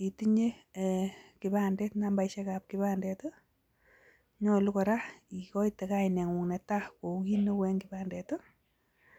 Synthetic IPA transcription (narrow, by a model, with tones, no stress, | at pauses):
i˨ti˦ɲe˦ | kɪ˨bandɛ˦tnamba˨iʃɛ˦kap̚kɪbandɛto˦ | ɲɔ˦lu˦kɔ˨ɾa˦i˨kɔ˦itɛ˨kainɛ˨ŋwu˨ŋnɛ˨tako˨ki˦no˦wɛ˦ŋɡɪbandɛ˨to˦